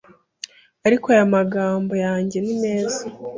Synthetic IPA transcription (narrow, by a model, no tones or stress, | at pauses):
aɾikoajamaɡaːmbo̞jaːɲɟe̞nime̞ːza